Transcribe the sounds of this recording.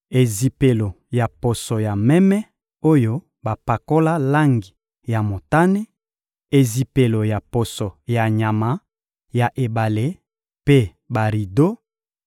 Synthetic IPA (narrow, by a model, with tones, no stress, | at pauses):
e˨zi˨pe˨lo˨ | ja˨po˨so˨ja˨mɛ˦mɛ˦ | o˦jo˦ | ba˨pa˨ko˦la˦la˦ŋɡi˨ | ja˨mo˨ta˦ne˦ | e˨zi˨pe˨lo˨ja˨po˨so˨ja˨ɲa˨ma˨ | ja˨ʔe˨ba˨le˦ | pe˦ | ba˨ʁi˨do˦